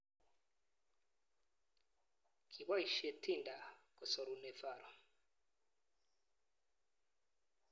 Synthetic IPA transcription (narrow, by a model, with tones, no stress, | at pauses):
kʰi˨βa˦i˨ʃe˨tʰi˦˨nda˨ko˨so˨ɾu˨ne˨va˨ɾo˨